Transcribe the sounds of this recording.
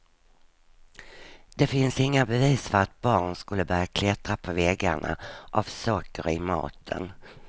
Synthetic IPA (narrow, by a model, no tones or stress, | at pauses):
d̪̥ɛfɪnsɪŋːabɛviːsfœɾat̪̚bɑːɳskɵlːəbœɾjakʰlɛt̪ɾapʰɔvɛːɡaɳʔa̰ʔavsɔkːəɾɪmɑ̰ːt̪ʰə̰n